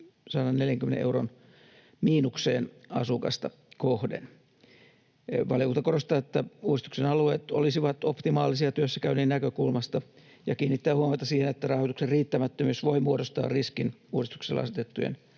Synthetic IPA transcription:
sɑːnɑnneljæŋkymenḛʔeuron | miːnukseːnɑsukɑ̰st̪ɑ | kohdḛn | ʋɑljkut̪ɑkorost̪ɑːet̪ːæuːdist̪u̥ksenɑlueːt̪o̰lisiʋɑt̪opt̪imɑːlisiɑt̪yøsːækæyneːnnækøkulmɑst̪ɑ | jɑkiːnːit̪ːæːhuɑmɑt̪ɑsiːhenet̪ːærɑhojt̪ukserriːt̪ːæmæt̪ːømyːsʋoimuoɾost̪ɑ̰ːrriskinuːist̪u̥kselːɑɑ̰set̪et̪ːṵjḛn

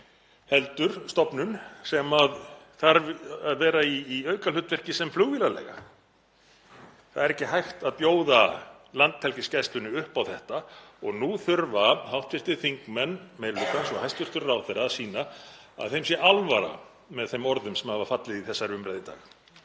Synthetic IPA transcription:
hɛlt̪ʏɾ̥st̪ɔpnʏnsɛmað | θaɾvðvɛːɾaiːœːɥkalʏht̪vɛr̥cɪsɛmfluɣvilalɛ̰ɣa̰ | θaðɛɾɛhcɪhajxt̪aðpjoːwða | lant̪hɛl̥cɪscajst̪lʏnʏʏhpawθɛht̪aɔɣnuθʏɾvahawht̪fɪr̥t̪ɪθiŋkmɛnːmeːjɾlʏkɛnsɔhajst̪vʏr̥t̪ʏɾawθɛɾasiːnaa̰ðθejms̬jɛʔalvaɾa̰ | mɛðθejmɔɾðʏmsɛmhavaɾfat̪lɪðiθɛsːaɾʏmɾajðɪt̪a̰ːx

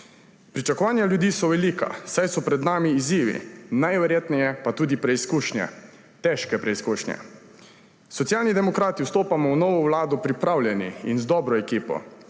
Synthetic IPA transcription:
pɾit͡ʃakɔʋaːnjaljud̪iːsɔʋɛliːka̰sajsɔpɾɛd̪naːmiːziːʋḭnajʋɛɾjeːt̪nɛjɛpat̪uːd̪ipɾɛiskuːʃnjɛ̰ | t̪ɛʃkɛpɾɛiskuːʃnjɛ̰ | sɔt̪sjaːlnid̪ɛmɔkɾaːt̪iwst̪oːpamɔwnɔːʋɔwlaːd̪ɔpɾipɾawlʲjɛniinzd̪ɔːbɾɔekiːpɔ̰

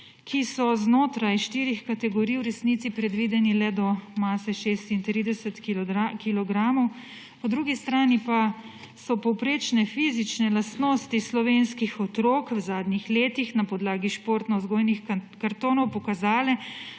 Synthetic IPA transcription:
kʰisɔznoːt̪ɾajʃt̪iːɾixkat̪ɛɡɔɾijuɾɛsnit̪sipɾɛd̪ʋiːd̪ɛnilɛd̪ɔmaːsɛʃeːst̪int̪ɾiːd̪ɛsɛt̪kilɔɡɾaːmɔw | pɔd̪ɾuːɡist̪ɾaːnipa | sɔpɔwpɾeːt͡ʃnɛfiːzit͡ʃnɛlast̪noːst̪islɔʋenskixɔt̪ɾoːkwzaːd̪nʲixleːt̪ixnapɔd̪laːɡiʃpoːɾt̪nɔzɡoːjnixkaɾt̪oːnɔwpɔkazaːlɛ

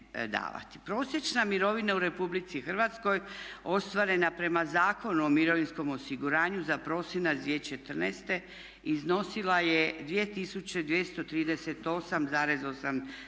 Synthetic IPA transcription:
d̪a̰ːʋa̰t̪i̥pɾo̞ːsje̞t͡ʃnamiɾo̞ʋinauɾe̞publit̪sixrʋat̪sko̞jo̞st̪ʋaɾe̞napɾe̞mazaːko̞nuo̞miɾo̞ʋinsko̞mo̞siɡuɾaːɲuzapɾo̞ːsjenazʋjet͡ʃe̞t̪r̩nest̪e̞ | izno̞silaje̞d̪ʋie̞t̪isut͡ɕe̞d̪ʋjest̪o̞t̪ɾiːd̪eset̪o̞samzaːɾe̞zo̞sam

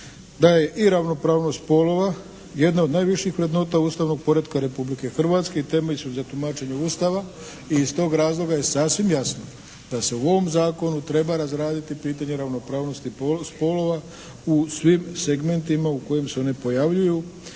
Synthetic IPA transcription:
d̪aje̞ʔiɾaʋno̞pɾaːʋno̞st̪̚po̞lo̞ʋa | je̞d̪naod̪naːjʋiʃjixʋɾe̞d̪no̞ːt̪auːst̪aʋno̞ɡ̚po̞ɾe̞d̪kaɾe̞publike̞xr̩ʋat̪skeit̪e̞meʎsuzat̪umat͡ʃe̞ɲeuːst̪aʋa | iːst̪o̞ːɡɾaːzlˠo̞ɡaje̞sasʋimjasno | d̪̥ase̞uo̞ʋo̞mzaːko̞nut̪ɾe̞baɾazɾaːd̪it̪ipiːt̪aɲe̞ɾaʋno̞pɾaːʋno̞st̪ispo̞lo̞ʋa | usʋimse̞ɡme̞nt̪imauko̞jemse̞o̞nipo̞jaʋʎuju

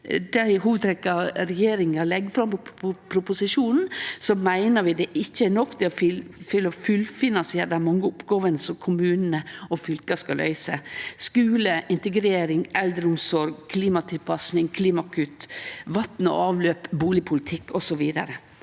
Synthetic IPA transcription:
d̪æɪɦuːʋəd̪t̪ʰɾɛkːɑɾɛjeːɾɪŋɑlɛɡːfɾɑmpɔpʰɾʊpʊsɪʂuːnn̩sɔmæɪnəʋɪd̪ɛʔɪçːəɛnɔkt̪ʰɪɔfɪfɪlːɔfʉlfɪnɑnsɪeːɾd̪æmɑŋːəʊpɡoːʋənəsɔmkʰʊmʉːnnəɔfʏlkɑskɑlʔœ̰ʏsəskʉːləʔɪnt̪ɛɡɾeːɾɪŋɛld̪ɾəʊmsɔɾɡkʰliːmɑt̪ʰɪlpʰɑsnɪŋkʰliːmɑkʰʉt̪ʋɑt̪n̩ɔ̰ɑːʋløːpbuːlɪpʰʊlɪt̪ʰɪkːɔsɔʋiːd̪ɑ̰ɾə

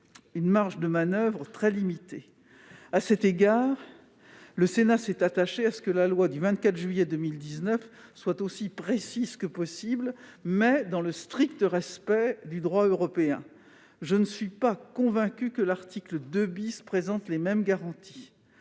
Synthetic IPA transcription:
ynmaʁʒd̪əmanœvʁət̪χɛlimit̪e | asɛt̪eɡaːʁ | ləsenasɛt̪at̪aʃeasə̥kəlalwad̪yvɛ̃t̪̚kʲat̪χʒɥijɛd̪əmild̪iznœfswat̪osipχesizkəpɔsiblmɛd̪ɑ̃ləst̪χikt̪əʁɛspɛd̪yd̪ʁwaøʁɔpeɛ̰̃ | ʒənəsɥipakɔ̃vɛ̃kʲykəlaʁt̪ikləd̪øbispχezɑ̃t̪lemɛmɡaʁɑ̃t̪i̥

